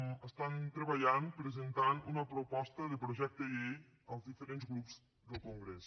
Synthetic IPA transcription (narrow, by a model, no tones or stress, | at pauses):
ɐst̪ant̪ɾebɐjanpɾezent̪anunɐpɾopɔst̪ɐd̪epɾoʒɛk̚t̪ejej | əzd̪ifeɾẽntsɡɾups | d̪elkõŋɡɾes